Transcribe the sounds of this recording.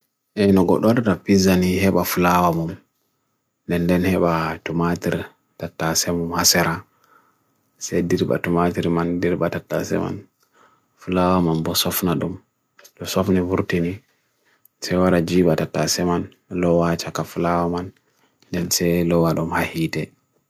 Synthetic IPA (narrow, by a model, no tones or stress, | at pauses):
ʔɛnɔɡɔ̰ɗɔtatapizanihɛɓafulawamum | ndɛndɛnhɛɓatumatiɾ | tatːasɛmumhasɛɾa | sɛjdiɾɓa̰tumatiɾmandiɾɓatatːa̰sɛ̰ma̰n | fulawamanbɔsɔfnaɗum | ɗɔsɔfnivuɾtini | sɛwaɾad͡ʒiɓatatːasɛman | lɔwat͡ʃakafulawaman | dɛnsɛjlɔwaɗumhahiːtɛ